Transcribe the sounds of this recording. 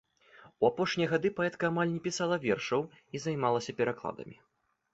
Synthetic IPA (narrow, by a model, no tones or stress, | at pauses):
uapɔʂnʲijɐɣad̪ɨpaɛt̪kɐːmalʲnʲɛpʲisalˠɐvʲɛrʂɐw | izajmalˠɐsʲɐpʲɛɾaklˠa̰d̪ɐ̰mʲi